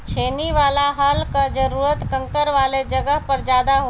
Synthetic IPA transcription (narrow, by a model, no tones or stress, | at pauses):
t͡ʃʰeːniʋaːlaɦaːlkad͡ʒɐɾuːɾət̪kə̃ŋkəɾʋaːled͡ʒɐɡəɦpɐɾd͡ʒjaːd̪aɦoː